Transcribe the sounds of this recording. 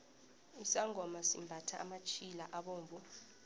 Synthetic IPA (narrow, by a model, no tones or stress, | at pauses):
usaŋʱɔmasḭmbʱatʰa̰ʔa̰mat͡ʃʰʼilaʔaɓoːɱvʱu